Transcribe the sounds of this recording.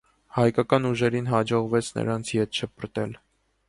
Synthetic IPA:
hɑjkɑkɑnuʒɛɾinɦɑd͡ʒɔʁvɛt͡sʰnə̰ɾɑnt͡sʰjɛt̪ʃʰəpəɾt̪ɛl

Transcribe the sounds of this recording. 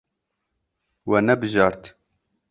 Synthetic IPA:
wɛnɛbɨʒɑːɾt̪

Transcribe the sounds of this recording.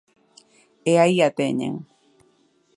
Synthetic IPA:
eajat̪eɲḛŋ

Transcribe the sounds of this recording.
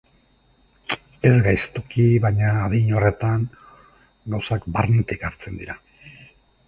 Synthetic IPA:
e̞zɡajst̪ukiβaɲaːðiɲo̞re̞t̪aŋ | ɡawsakbarnet̪ikaɾt͡se̞nd̪iɾa

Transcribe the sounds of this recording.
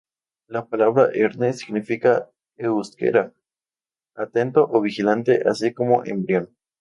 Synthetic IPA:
lapalaβɾaʔeɾnesiɡnifika | euskḛɾa | at̪ent̪oʔoβixilant̪eʔasiko̞mo̞ʔḛmbɾjon

